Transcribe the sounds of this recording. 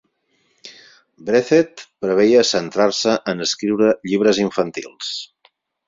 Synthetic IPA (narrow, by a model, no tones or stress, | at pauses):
bɾeθet̪pɾəβeiəsənt̪ɾaɾsəʔənəskɾiwɾəʎiβ̞ɾəziɱfənt̪ḭlˠs